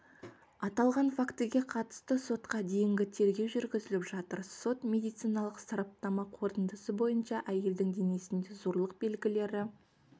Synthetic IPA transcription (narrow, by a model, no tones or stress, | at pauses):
ɑt̪ɑlˠʁɑnfakt̪əɡʲe̞qʰɑt̪ə̥st̪əso̞t̪qɑd̪e̞jɪŋɡʲɪt̪ʰe̞ɾɡʲe̞wʒʏɾɡʲɪzɪlɪpʒɑt̪əɾso̞t̪mʲe̞d̪ijt̪sijnɑlˠəqsɑɾɑp̚t̪ɑmɑqʰo̞ɾt̪ənd̪əsəbo̞jənʃɑʔæje̞ld̪ɪŋd̪e̞ne̞sɪnd̪e̞zo̞ɾlˠəq̚be̞lɡʲɪle̞ɾɪ